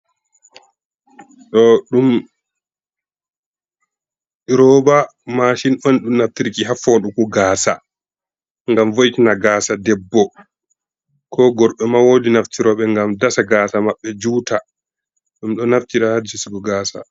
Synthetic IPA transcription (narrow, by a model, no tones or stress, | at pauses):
ɗɔɗum | iɾɔbamaʃinɔnɗumnaftiɾkiɦafɔɗukuɡaːsa̰ | ŋɡamvojitinaɡaːsadɛbːɔ | kʰɔɡɔɾɓɛmawodinaftiɾɔɓɛŋɡamdasaɡaːsamaɓːɛd͡ʒuːta | ɗumɗɔnaftiɾahadt͡ʃisiɡɔɡaːsa̰